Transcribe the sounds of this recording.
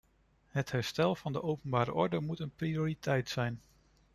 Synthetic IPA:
ɦəthɛɹstɛlˠv̥ɑndəʔowpənbaːɾə̰ʔɔɹdəmutənprioːritʰɛjtsɛjn

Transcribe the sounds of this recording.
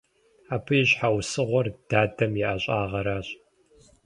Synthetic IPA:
aːpʰɨjɪɕħawsɨʁʷɔrd̥aːdɐmjɛʔaɕʼaːʁɐɾaːɕ

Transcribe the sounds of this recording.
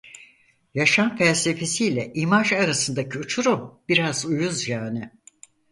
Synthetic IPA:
jaʃanfælʲse̞fe̞siːlʲɛʔimaʒaɾasɯnd̪acʰiut͡ʃʰuɾumb̥iɾazujuzjaːnɪ

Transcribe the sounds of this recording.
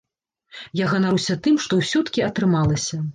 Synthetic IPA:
jaɣɐnaɾusʲɐt̪ɨmʂt̪ɔwsʲɔt̪kʲiɐt̪ɾɨmalˠɐsʲɐ

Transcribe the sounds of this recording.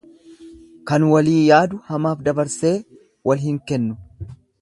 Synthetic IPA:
kɐnwɐliːjaːd̪ʊhɐmaːfd̪ɐbɐɾse̞ː | wɐlɦɪŋkɛnːʊ

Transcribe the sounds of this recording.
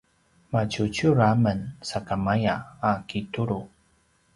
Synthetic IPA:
mat͡ɕut͡ɕuɾamənsakamajaːkituɾu

